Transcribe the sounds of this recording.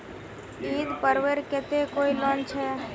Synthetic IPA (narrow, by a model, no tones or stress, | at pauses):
iːd̪pəɾʋeɾket̪ekoːilɔːnt͡ʃʰɛ